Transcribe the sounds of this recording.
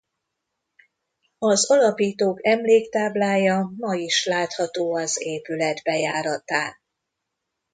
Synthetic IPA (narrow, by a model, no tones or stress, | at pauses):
ɒzɒlɒpiːt̪oːkɛmleːkt̪aːblaːjɒmɒjiʃlaːt̪hɒt̪oːɒzeːpylɛd̪bɛjaːɾɒt̪aː